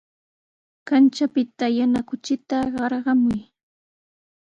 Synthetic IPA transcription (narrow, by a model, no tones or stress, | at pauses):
kant͡ʃapɪt̪ajanakʊt͡ʃɪt̪aɢɑɾɢɑmʊj